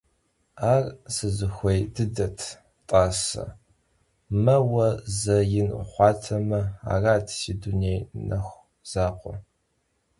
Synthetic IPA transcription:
aːrsɨzɨxʷejdɨdɐtʰ | tʼaːsɐ̰ | mɐwɐzɐjɪn̰χʷɑːtʰɐmɐa̰ːraːtʰsiːdunejnɐxʷ | z̥aːqʷɔ̰

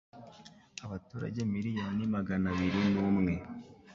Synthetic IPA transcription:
aβatuːɾa̰ɟe̞miɾijanimaɡanaβiɾinuːmŋe̞

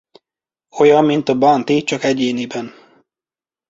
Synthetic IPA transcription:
o̞jɒmːint̪ɒbɒnt̪it͡ʃɒkɛɟeːnibɛn

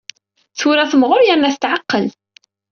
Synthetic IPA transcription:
θuɾæθəmʁʊɾjəɾnæθə̥t̪ʕaqːəl

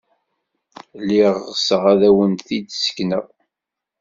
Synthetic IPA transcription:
lːiʁːsəʁæðæwənθid̪sə̥knəʁ

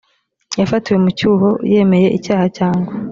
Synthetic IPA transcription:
jafatiwe̞mucuːɦo̞je̞ːme̞je̞ʔicaːhacaːŋɡwa

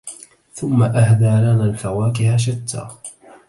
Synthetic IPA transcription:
θʊmːaʔahd̪aːlanaːlfawaːkɪhaʃ̬at̪ʰːa̰ː

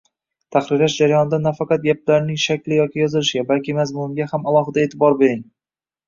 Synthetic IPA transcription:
t̪ʰaχɾɪɾlaʃd͡ʒaɾajɒnɪd̪anafɑqɑt̪̚ɡʲaplaɾnɪŋʃakʲlɪjɒkʲʰɪjɒzɪlɪʃɪɡʲabalkʲɪmazmʊɡʲahamalˠɒɦɪd̪ae̞ːt̪ʰɪbɒɾbe̞ɾɪŋ

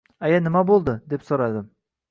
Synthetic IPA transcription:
ajanɪmabolˠd̪əd̪e̞psoɾɑd̪ɪm

